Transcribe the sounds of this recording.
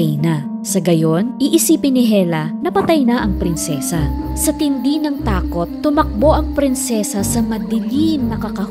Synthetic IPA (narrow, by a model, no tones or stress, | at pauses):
jnɐ | sɐɡɐjo̞nʔiʔɪsiːpɪnɪɦɛlɐnɐpɐt̪ɐjnɐʔɐŋpɾɪnsɛːsɐsɐt̪ɪnd̪inɐŋt̪aːko̞t̪ːʊmɐk̚bo̞ʔɐŋpɾɪnsɛsɐsɐmɐd̪ɪlinːɐkɐkɐ